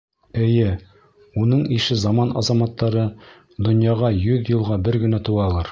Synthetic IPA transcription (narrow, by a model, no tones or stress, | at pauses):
ɘ̆jɘ | unɤɴiʃɘzɑmɑnʔɑzɑmɑt̪ːɑɾɤ | d̪ŏnjɑʁɑjɵðjɤ̆lˠʁɑbɘɾɡɘ̆næt̪uɑlˠɑɾ